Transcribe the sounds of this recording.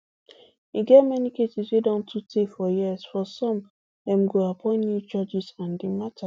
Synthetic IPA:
iɡɛtmɛnikesiswedɔ̃ntʰutʰefɔjisfɔsɔ̃m | dɛ̃mɡoapʰɔ̃ɪ̃njud͡ʒɔd͡ʒisãndimatʰa

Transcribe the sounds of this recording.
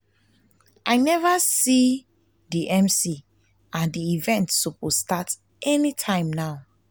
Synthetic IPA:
ʔaɪnɛvasi | diʔɛ̃msi | ãndiivɛ̃ntsupostat | ʔɛnitʰãɪ̃mnaʊ

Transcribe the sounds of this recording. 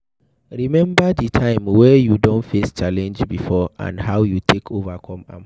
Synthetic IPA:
ɹimɛ̃mbaditʰãɪ̃mwɛjudõnfest͡ʃalɛ̃nd͡ʒbifɔʔã̰ndɦawjutʰekʰovakʰɔ̃mã̰m

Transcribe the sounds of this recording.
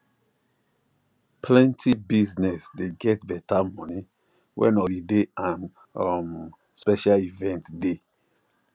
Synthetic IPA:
pʰlɛ̃ntʰibiznɛsdeɡɛt̚bɛtamɔni | wʔɛ̰̃nɔlideãn | ɔm | spɛʃalivɛ̃ntde

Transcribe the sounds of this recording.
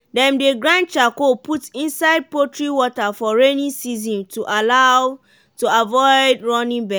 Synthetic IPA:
dɛ̃mdeɡɹãn̚t͡ʃakopʰutĩnsaɪd̚potɹiwɔtafɔɹenĩnsizɔ̃ntuʔalaʊ | tuavɔɪdɹɔnĩnbɛ

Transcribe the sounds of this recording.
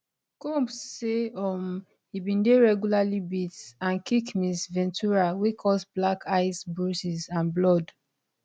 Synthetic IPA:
kopseɔm | hibĩndeɹɛɡjulalibitãnkikmisvɛ̃ntuɹawekʰɔsblakʰaɪsbɹusizãnblɔd

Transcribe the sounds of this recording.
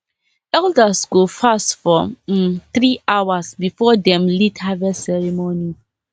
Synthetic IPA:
ɛldasɡofastfɔt̪ɹiʔawasbifɔdɛ̃mlidhavɛsɛɹɛmoni

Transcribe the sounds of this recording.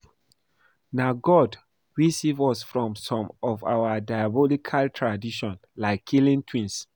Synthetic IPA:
naɡɔd | ɹisivɔsfɹɔ̃msɔ̃mɔfa̰wadajabɔlikʰaltʰɹadiʃɔ̃nlaɪkʰːilĩntʰwĩns

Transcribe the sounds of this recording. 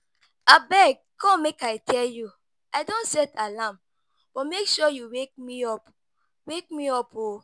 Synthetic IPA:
abɛɡ̚ | kɔ̃mekajtʰɛlju | aɪdõnsɛtalam | b̥ɔtmekʃɔjuwek̚miɔp | wek̚miɔpo

